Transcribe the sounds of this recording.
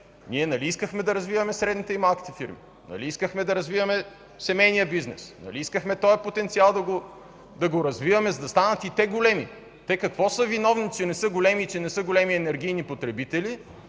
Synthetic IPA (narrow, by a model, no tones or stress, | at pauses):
niɛnɐliiskəxmɛd̪ɐɾɐzvivɐmɛsɾɛd̪nit̪ɛimalˠkʲi̥t̪ɛfiɾmḭ | nɐ̰liiskəxmɛd̪ɐɾɐzvivɐmɛ | sɛmɛjnijəbiznɛsnɐ̰liiskəxmɛt̪ɔɛpot̪ɛnt̪sialˠd̪ɐɡo | d̪ɐɡoɾɐzvivɐmɛzɐd̪ɐst̪anət̪it̪ɛɡolɛmi | t̪ɛkɐkvɔsɤvinɔvnit͡ʃɛnɛsɤɡolɛmit͡ʃɛnɛsɤɡolɛmiɛnɛɾɡ̟ijnipot̪ɾɛbit̪ɛli